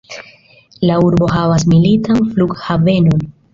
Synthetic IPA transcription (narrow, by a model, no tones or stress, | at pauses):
lauɾbo̞ɦavas̬militanfluɡhave̞non